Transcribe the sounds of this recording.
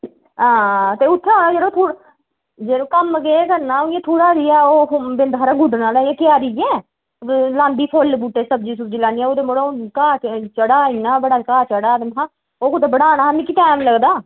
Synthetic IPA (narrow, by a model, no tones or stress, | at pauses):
ɦãːt̪eːʊt̪ʰːeɦoːnaːd͡ʒeːɾoːt̪ʰuːɽ | d͡ʒeːɾoːkəmɡeːkəɾnaːojãːt̪ʰuːɽaːɾiːaːoːbɪnd̪kʰəːɾaːɡʊɖnaːlːãːkɪjaːɾiɛ̃ː | lãːnd̪iːpʰolbuːʈeːsəbd͡ʒiːsʊb̚d͡ʒiːlaːniɛ̃ːoːd̪emoɽakaːt͡ʃəɽaːiːnaːbəɽaːkaːt͡ʃəɽaːd̪ɪnɦaː | oːkot̪eːbəɽaːnaːɦmikiːʈɛːmləɡd̪aː